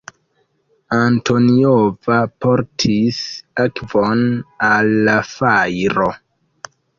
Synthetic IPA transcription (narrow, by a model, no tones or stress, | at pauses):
anto̞niovapo̞ɾtʰisakvo̞nalːafajɾo̞